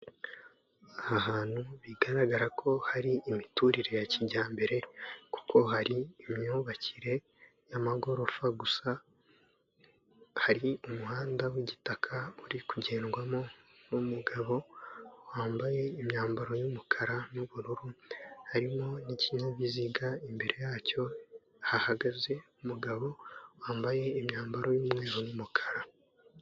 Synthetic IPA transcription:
ahaɦaːn̥huβiɡaɾaɡaɾakʰo̞haɾiːmituɾiɾe̞jaciɟaːmbe̞ɾe̞ku̥ko̞ɦaɾiːmɲuːβaciɾe̞ | jamaɡo̞ɾo̞faɡusa | haɾiumuhaːndawiɟitakʰauɾikuɟe̞ːnɡwamo̞numuɡaβo̞waːmbaje̞imɲaːmbaɾo̞jumukʰaɾanuβuɾuɾuhaɾimo̞niciɲaβiziɡaimbe̞ɾʔe̞jaːco̞ | hahaɡaze̞umuɡaβo̞waːmbaje̞imɲaːmbaɾo̞jumŋe̞ːɾonumukʰḁɾa

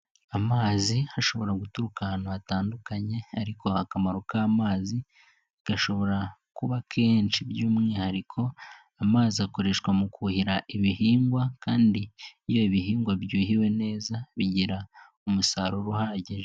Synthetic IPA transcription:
amaːzihaʃo̞βo̞ɾaɡutuɾukahnaataːndukaɲe̞aɾiko̞akamaɾo̞kaːmaːzi | aɡ̥aʃo̞βo̞ɾakuβakʰe̞ːnt͡ʃibjuːmŋihaɾikʰo̞ | amaːziako̞ɾe̞ːʃkwamukʰuhiɾaʔiβihiːŋɡwakaːndijo̞iβihiːŋɡwabjuːɦiwe̞ne̞ːzaβiɟiɾa | umusaɾo̞ɾuhaːɟiʒe

